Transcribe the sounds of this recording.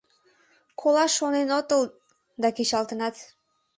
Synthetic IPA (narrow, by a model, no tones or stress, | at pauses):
kʰolɑʃonenot̪əl | d̪ɑket͡ɕɑlt̪ənɑt̪